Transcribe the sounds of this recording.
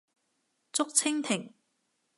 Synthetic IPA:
t͡sʊ˥k̚t͡sʰɪ˥ŋt̪ʰɪ˨˩ŋ

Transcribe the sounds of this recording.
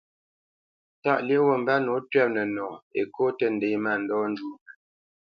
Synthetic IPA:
ta˦ʔlje˦wə˨m̩˨ba˦no˨˦tɥɛ˦p̚nə˨nɔː˨ḛ˨ko˦tə˦n̩˨de˨˦ma˦˨n̩˨dɔ˦n˦du˦nə˨

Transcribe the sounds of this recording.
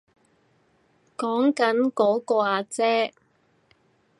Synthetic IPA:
kɔː˨˥ŋkɐ˨˥nkɔː˨˥kɔː˧aː˧t͡sɛː˥

